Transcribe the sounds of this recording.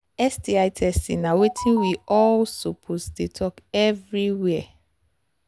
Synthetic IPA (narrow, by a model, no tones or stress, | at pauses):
ɛstiaɪtʰɛsḭ̃nãwetʰĩnwiɔlsopʰosdetʰɔkɛvɹiwɛɛ